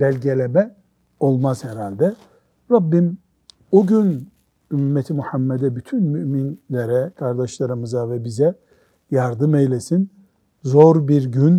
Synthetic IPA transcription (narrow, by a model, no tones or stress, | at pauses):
bælʲɟe̞lʲemɛ | o̞lˠmaz̥hɛɾalʲd̪ɛ | ɾabːim | uɟyn | ymmːɛt̪ʰimuhamːɛd̪ɛbyt̪ʰynmyʔminlʲeɾɛkʰaɾd̪aʃlˠaɾɯmɯzavɛbizɛ | jaɾd̪ɯmejlʲesin | zo̞ɾbiɾɟyn